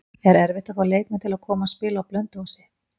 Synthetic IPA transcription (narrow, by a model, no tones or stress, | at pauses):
ɛɾɛɾvɪht̪afaɾleːjknat̪ʰɪlaðkʰɔːmaspɪːlaawplœnt̪hɔsɪ